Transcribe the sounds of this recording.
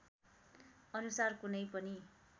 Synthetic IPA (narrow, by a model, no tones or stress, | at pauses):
ʌnusarkunʌjpʌni